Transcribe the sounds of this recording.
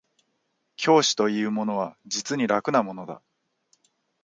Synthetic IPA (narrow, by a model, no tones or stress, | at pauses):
kʲʰo̞ːɕi̥t̪o̞iɯ̟ːmo̞no̞β̞ad͡ʑit͡sɨɲ̟iɾakɯ̟namo̞no̞d̪a̰